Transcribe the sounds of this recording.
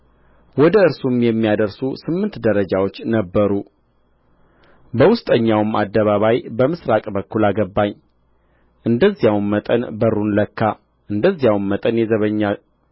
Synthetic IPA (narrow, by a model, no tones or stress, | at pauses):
wɔd̪əɨɾsumjɛmːijad̪əɾsusɨmːɨnt̪d̪əɾəd͡ʒawo̞t͡ʃːnəbːəɾu | bəwʊst̪ʼəɲːawmad̪ːəβaβajbəmɨsɾakʼbəkːulaɡəbːaɲː | ʔɨnd̪əzːijawnmət̪ʼə̰nbəɾunləkʰːa | ʔɨnd̪əzːijawnmət̪ʼənjɛzəβəɲːa